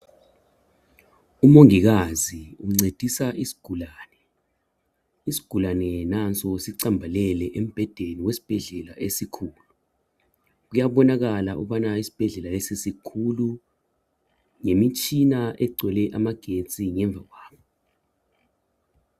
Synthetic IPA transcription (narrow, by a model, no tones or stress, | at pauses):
umoŋik̬aziuuŋ͡ǀed̥ʱisaʔisi̥ɡ̥ʱulaːnɛ | isi̥ɡ̥ʱulanɛnant͡sʼɔsiǀambʱalɛlɛʔem̩b̥ʱɛd̥ʱeniwesi̥b̥ʱɛɮɛlaʔesikʰuːlu | k̬ujaɓɔnak̬alaʔṵɓanaisi̥b̥ʱɛɮɛlalɛsisikʰulu | ŋemit͡ʃʰʼinaʔɛɡ͡ǀʱwɛlɛʔamaɡ̥ʱet͡sʼiŋɛɱb̪vʱak̬waːɓʰɔ